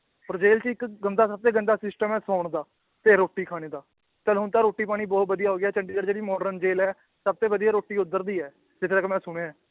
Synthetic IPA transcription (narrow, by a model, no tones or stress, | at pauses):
ɔːɾd͡ʒeːlt͡ʃəɪkɡənd̪aːsəb̚t̪eːɡənd̪aːsɪsʈəmɛːsaːʊɳd̪aː | t̪eːɾoːʈːiːkʰaːɽ̃eːd̪aː | t͡ʃəlɦʊnt̪aːɾoːʈːiːp̬aːɽ̃iːbɔːt̪̚bəd̪ijaːɦoːɡjaːt͡ʃəɳɖiːd͡ʒəɽd͡ʒeːɽiːmɔːɖɾənd͡ʒeːlɛː | səb̚t̪eːbəd̪ijaːɾoːʈːiːʊd̪əɾd̪iːɛː | d͡ʒɪt̪ʰeləkmɛ̃ːsʊɽ̃ẽːãː